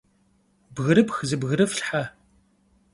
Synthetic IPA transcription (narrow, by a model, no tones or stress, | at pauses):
bɣɨɾɨpxzɨbɣɨɾɨfɬħa